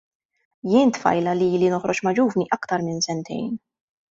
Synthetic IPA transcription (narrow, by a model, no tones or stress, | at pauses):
jɪːnt̪fɐ̰jlɐliiːlinɔħɾɔt͡ʃmɐd͡ʒuːvniʔɐkt̪ɐɾmɪnsɛnt̪ʰɛ̰jn